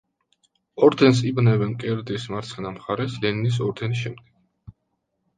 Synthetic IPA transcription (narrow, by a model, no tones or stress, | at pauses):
ɔɾd̪ɛns̬ibnɛvɛnkʼɛɾd̪ismaɾt̪sʰχɛnamχaɾɛslɛninis̬ɔɾd̪ɛnisʃɛmd̪̚ɡɛɡ̥̚